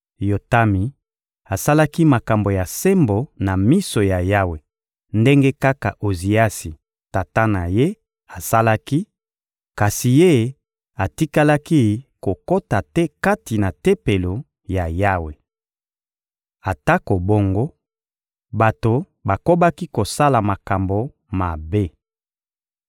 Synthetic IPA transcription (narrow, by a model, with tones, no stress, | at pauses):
jo˨ta˦mi˨ | a˨sa˦la˦ki˦ma˨ka˨mbo˨ja˨se˦mbo˨na˨mi˦so˨ja˨ja˦we˨ | nde˦ŋɡe˦ka˦ka̰˨ʔo˨zi˨a˦si˨ | ta˨ta˦na˨je˦ | a˨sa˦la˦ki˦ | ka˨si˨je˦ | a˨ti˦ka˦la˦ki˦ko˨ko˦ta˨tɛ˦ka˦ti˨na˨te˦pe˨lo˨ | ja˨ja˦we˨ | a˨ta˦ko˨bo˦ŋɡo˦ | ba˨to˨ | ba˨ko˦ba˦ki˦ko˨sa˦la˨ma˨ka˨mbo˨ | ma˨be˦